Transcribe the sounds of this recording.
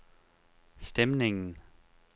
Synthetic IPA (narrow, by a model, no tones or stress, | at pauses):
sd̥emne̝ŋn̩